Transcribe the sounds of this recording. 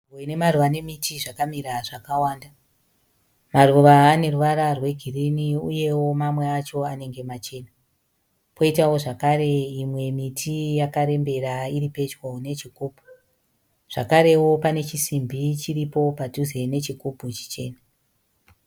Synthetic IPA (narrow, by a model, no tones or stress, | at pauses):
oine̞maruʋane̞mitiʐakamiɾaʐakawaːnda | maruʋaːne̞ruʋaɾarwe̞ɡʱiriniuje̞wo̞mamwe̞at͡ʃo̞ane̞ŋɡe̞mat͡ʃe̞ːna | pʰo̞itawo̞ʐakaɾe̞imwe̞mitʰijakaɾe̞mbe̞ɾaiɾipe̞t͡ʃwone̞t͡ʃikuːpu̥ | ʐ̥a̰kaɾe̞wo̞pane̞t͡ʃisimbʱit͡ʃiripo̞padʱuze̞ne̞t͡ʃikuput͡ʃi̥t͡ʃe̞ːna